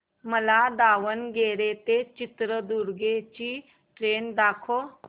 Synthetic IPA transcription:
məlad̪aʋənɡeɾet̪et͡ɕit̪ɾəd̪uɾɡet͡ɕiː | ʈɾend̪akʰo

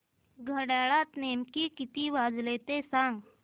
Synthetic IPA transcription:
ɡʱəɽaɭat̪nemkikit̪iːʋad͡zlet̪esãŋɡ

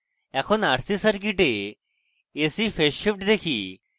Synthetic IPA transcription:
ɛkʰonaɽsisəɾk̬iʈe | esifeʃifʈd̪ekʰi

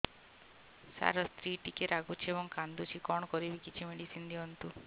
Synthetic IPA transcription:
sa̰ɾɔst̪ɾiʈikeɾaɡut͡ʃʰiebɔŋkand̪ut͡ʃʰikɔɳ̃ɔkɔɾibikit͡ʃʰimeɽisind̪iɦɔnt̪u

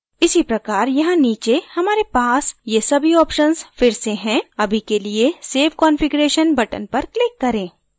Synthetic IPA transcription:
ɪsipɾɐkaːɾjɐɦãniːt͡ʃehɐmaːɾepaːsjesɐbʱiɔːpʃənzfɪɾseɦɛ̃ɐbʱikelieseːfkɔːnfɪɡɾeːʃənbɐʈə̰npɐɾklɪkːɐɾẽː

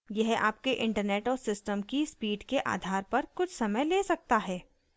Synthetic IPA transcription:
jɛɦa̰ːp̚keʔɪ̃ɳʈəɾneːʈɔːɾsɪsʈəmkispiːɖkeʔa̰ːd̪ʱaːɾpɐɾkʊt͡ʃʰsɐməjleːsɐk̚t̪aɦɛː

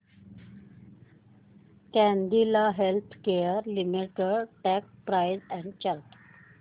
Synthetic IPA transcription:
kɛ̃nd̪ilaɦelt̪ʰkeəɾlimiʈəɽʈɛk̚pɾajzɛ̃ɳɖt͡ɕaɾp

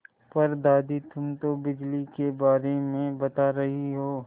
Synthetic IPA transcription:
pɐɾd̪aːd̪it̪ʰʊmt̪obɪd͡ʒlikebaːɾemẽbɐt̪aɾɐɦiɦoː

